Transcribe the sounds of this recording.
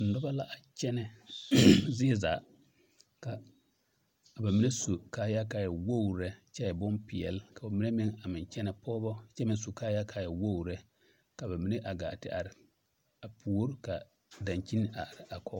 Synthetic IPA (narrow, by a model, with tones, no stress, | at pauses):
n̩˨dɔ˦ba˦la˦ʔa˨t͡ʃɛ˦nɛ˨ | zɪ˦zaː˨ | ka˨ | ba˨mi˦ne˦su˨ka˦ja˦ka˨jɛ˨wo˦˨ɾɛ˦t͡ʃɛ˦jɛ˨bʊ˦npɪ˨ɛ̰˨lka˨ba˨mi˦e˦mɪ˦ŋa˨mɪ˨t͡ʃɛ˦nɛ˨pɔː˦bɔ˦t͡ʃɛ˦mɪ˨so˨kaː˦ja˦kʰa˦˨jɛ˨wo˦wɾɛ˦ | ka˨ba˨mi˦ne˦ʔa˨ɡa̰ː˨tɪ̰˦a̰˨ɾɪ˨ | a˨pʰu˨o˦ɾka˨ | dã˨ɲt͡ʃi˦n˦a˨ɾɪ˨a˨kʰɔ˦